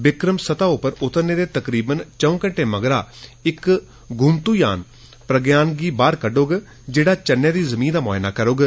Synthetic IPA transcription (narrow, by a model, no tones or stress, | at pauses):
ʋɪkɾəmsət̪aːʊpəɾʊt̪əɾneːd̪eːt̪əkɾiːbənt͡ʃəũːkəɳʈeːməɡɾaːɪk | ɡʱʊmt̪uːja̰ːn | pɾəɡjaːnɡiːbaːɾkəɖoːɡ | d͡ʒeːɽaːt͡ʃənːjẽːd̪iːzəmĩːnd̪aːma̰ːɦɪna̰ːkəɾoːɡ